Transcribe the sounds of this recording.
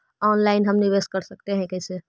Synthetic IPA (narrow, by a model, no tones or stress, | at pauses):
ɔnlaɪnɦəmniʋeskəɾsək̚t̪eɦɛ̃kɛsʰe